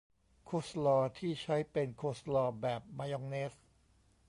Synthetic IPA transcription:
kʰo˦˥slɔː˧t̪ʰiː˥˩t͡ɕʰa˦˥jpe˧nkʰo˦˥slɔː˧bɛː˨˩p̚maː˧jɔ˧ŋneː˦˥s

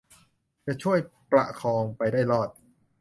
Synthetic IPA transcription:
t͡ɕa˨˩ʔt͡ɕʰu˥˩əjpla̰˨˩ʔkʰɔː˧ŋpa˧jdaː˥˩jlɔː˥˩t̪̚

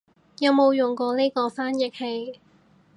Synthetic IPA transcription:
jɐ˨˧wmo˨˧wjʊ˨ŋkɔː˧le˥jkɔː˧faː˥njɪ˨k̚he˧j

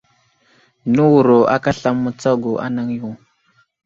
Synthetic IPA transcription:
nu˦wu˨ɾo˨ʔa̰˦ka˦ɬa˦mːu˦t͡sa˦ɡo˨ʔa̰˦na˦ŋju˦˨

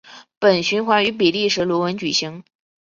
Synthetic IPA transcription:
pə˨˩nɕy˧˥nxwa˧˥y˧˥p̬i˨˩li˥˩ʂɻ̩˧˥lwɔ˧˥wə˧˥nt͡ɕy˨˩ɕi˧˥ŋ

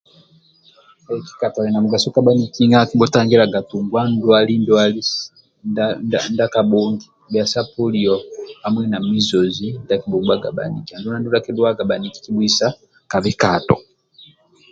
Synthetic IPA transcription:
a˨ɛ˨ki̥˦ka˨tɔ˨lɛ˨na˨mu˨ɡa˨su˦ka˦ɓa˦ni˦˨ki˦ŋa˦ki˦ɓɔ˦ta˦ŋɡɛ˦la˨ɡa˨tu˨ŋɡwa˦ndwali˦ndu˦ali | nanda˦ka˨ɓɔ˦ŋɡi˨ba˨sa˦pɔ˦li˨ɔ˨hamwɛ˦na˨mi˦zɔ˨zi˦nda˦ki˨ɓɔ˨ɡwa˦ɡa̰˨ɓa̰˨ni˨ki˨a˨ndu˦na˦ndu˦la˦kɛ˦dwa˦ɡa˨ɓa˨ni˨ki̥˨ki˦ɓwi˦sa˦ | ka˨βɛ˦katɔ̰˨

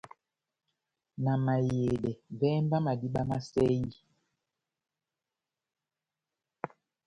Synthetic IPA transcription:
na˨ma˨je˨dɛ˨vɛ˦mba˦ma˨di˦ɓa˦ma˦sɛ˦ji˦

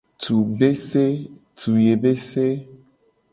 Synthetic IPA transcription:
t̪ʰu˨be˦se˦t̪ʰu˨je˨be˦se˦

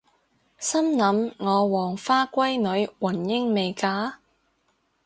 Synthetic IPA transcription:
sɐ˥mnɐ˨˥mŋɔː˨˧wɔː˨˩ŋfaː˥kʷɐ˥jnɵ˨˥ɥwɐ˨˩njɪ˥ŋme˨˧jkaː˨˥

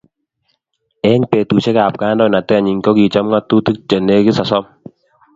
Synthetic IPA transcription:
ɛ˦ŋpe˨tu˨t͡ʃɛ˦ka˨p̚kaː˦ndɔ˦˨na˨tɛ˦˨ɲi˨ŋkɔ˦ki˨t͡ʃɔ˦mŋa˦t̪u˦tɨ˦k̚t͡ʃə˨ne˦ki˦sa˨sɔ˦m

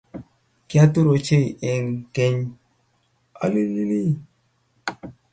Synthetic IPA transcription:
kja˦tu˦ɾo˨t͡ʃe˦˨e˨ŋke˦ɲ | a̰˦li˦li˦ni˦

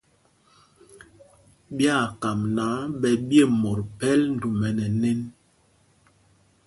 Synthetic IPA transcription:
bja˦˨ka˨mna˨˦ɓɛ˨bje˦˨mɔ˨ɾpɛ˦ln̩˨du˨mɛ˨nɛ˨nɛ˦n

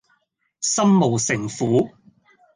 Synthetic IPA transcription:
sɐ˥mːo˨˩wsɪ˨˩ŋfuː˨˥

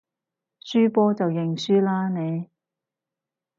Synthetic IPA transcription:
syː˥pɔː˥t͡sɐ˨wjɪ˨ŋsyː˥laː˥ne˨˧j

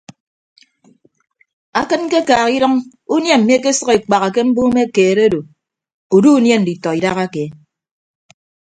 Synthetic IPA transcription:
a˦kɨ˦n˦ke˦kaː˨ɣi˦ɾʌ˦ŋ | u˦nje˦m̩˨m˦e˦ke˦sʌ˦ɣe˨k͡pa˨ɣa˨k̬e˦m̩˦bu˦me˦keː˨ɾe˦do˨ | u˨du˦u˦nje˦n̩˨di˨tɔ˨i˨da˦ɣa˦ke˨

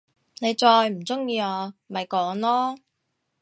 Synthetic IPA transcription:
ne˨˧jt͡sɔː˧jm̩˨˩t͡sʊ˥ŋjiː˧ɔː˧˨mɐ˨jkɔː˨˥ŋlɔː˥

